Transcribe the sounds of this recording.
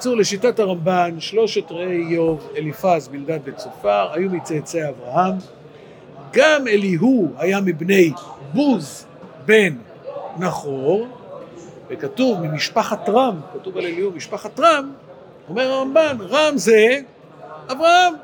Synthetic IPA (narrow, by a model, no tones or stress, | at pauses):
t͡suʁle̞ʃitataʁambanʃlo̞ʃetʁejːo̞velifazbildatvet͡sofaʁajumit͡set͡seavʁaham | ɡame̞liɦuhajamibne̞jbuz | be̞nː | aχo̞ʁ | vekatuvmimiʃpaχatʁamkatuvale̞lihumiʃpaχatʁam | o̞me̞ʁaʁambanʁamze | avʁaham